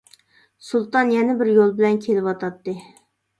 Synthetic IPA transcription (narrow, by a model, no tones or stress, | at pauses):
sulˠt̪ɑnjɛnɪbɪɾjolˠbɪlɛnkʲʰelɪpwɑt̪ʰɑt̪ːɨ